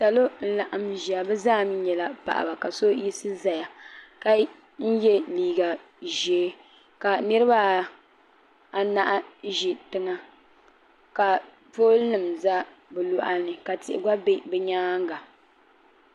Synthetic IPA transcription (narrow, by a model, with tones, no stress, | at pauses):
sa˨lo˦n̩˦la˨ʔa˨mʒi˨a˨bɛ˦zaː˦˨m˦ɲɛ˨la˦pa̰˨ʔa̰˨ba˨ka˨so˦ji˦sɨ˦za˨ja˨ka˦ | n̩˦jɛ˦liː˨ɡa˨ | ʒɛ˨˦ | ka˨nɨ˦ɾɨ˦ba˦ | a˨na˦ʔa˦ʒi˨tɨ˦ŋa˦ | ka˨ | po˦lnɨ˨mza˦bɛ˨lʊ˨ʔa̰˦nɨ˨ka˨tɪ˨ʔɪ̰˨ɡa˦be˦bɛ˦ɲaː˦ŋ˦ɡa˨